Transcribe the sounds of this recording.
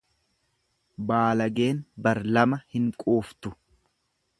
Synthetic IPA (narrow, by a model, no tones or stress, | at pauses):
baːlɐɡe̞ːnbɐɾlɐmɐhɪŋkʼoːft̪ʊ